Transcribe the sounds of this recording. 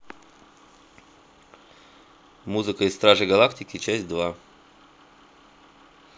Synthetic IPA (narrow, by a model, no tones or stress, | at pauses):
muzɨkaist̪ɾaʒɛɡalˠakt̪ikit͡ʃɛsʲtʲd̪ʋa